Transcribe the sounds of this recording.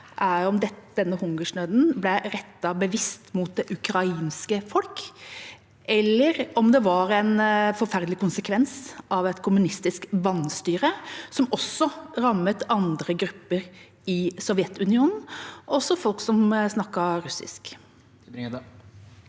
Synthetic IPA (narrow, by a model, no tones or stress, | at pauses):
ʔæɔmd̪ɛd̪̥ɛnːəhʊŋɡəʂɳøːd̪n̩blɛɾɛt̪ːɑbəʋɪst̪muːt̪̚d̪ɛʔʉkɾɑiːnskəfɔlk | ʔɛlːəɾɔmd̪ɛʋɑɾɛɪnfɔɾfæɾd̪əlɪkʊnsəkʰʋɛnsɑʋɛt̪kʰʊmʉnɪst̪ɪskʋɑnːst̪yːɾəsɔmɔsːɔɾɑmːət̪ɑnd̪ɾəɡɾʉpːəɾ | ɪsɔʋjɛt̪ʉnɪuːnn̩ɔsːɔfɔlksɔmsnɑkːɑɾʉsɪ̰sk